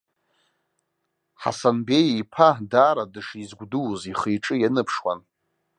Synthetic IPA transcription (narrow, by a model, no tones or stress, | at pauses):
ħa̰sanbejipʰadaːɾadɨʂizɡʷduwziχijʈ͡ʂʼɨjanɨpʰʂwa̰n